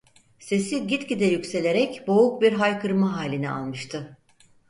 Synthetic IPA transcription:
se̞siɟit̪cid̪ɛjycse̞lʲe̞ɾɛcbo̞uk̚biɾɦajkʰɯɾmaɦaːlʲinia̰lˠmɯʃt̪ʰɯ

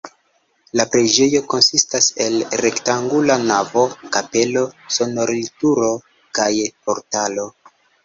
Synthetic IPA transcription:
lapɾed͡ʒe̞jo̞ko̞nsistase̞lɾe̞ktaŋɡulanavo̞kape̞lo̞so̞no̞ɾilituɾo̞ | kajpo̞ɾtalo̞

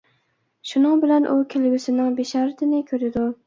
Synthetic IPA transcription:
ʃunɨŋbɪlɛnʔukʲʰelɪɡʲysɪnɪŋbeʃɑːɾɪt̪ʰɪnɪkʲʰøɾɪd̪u

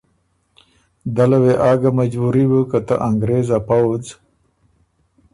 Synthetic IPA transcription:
d̪alaweʔaːɡamad͡ʑbuɾibəkat̪a̰ʔaŋɡɾeːzapawd͡z

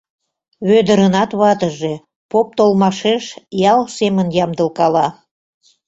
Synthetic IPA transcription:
βød̪ə̆ɾənɑt̪βɑt̪əʒe̽ | pop̚t̪olmɑʃeʃjɑlsemənjɑmd̪əlkɑlɑ

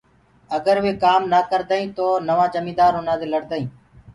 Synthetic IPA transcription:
əɡəɾʋeːkaːmnaːkəɾd̪aːĩːt̪oːnəʋãːd͡ʒəmĩːd̪aːɾɦʊnãːd̪eːləɽd̪əːĩː

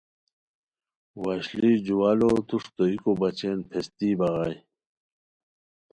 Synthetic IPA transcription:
waɕlid͡ʑuwaːlot̪uʂt̪oikobɐt͡ɕeːnpʰest̪iːbɐɣaj

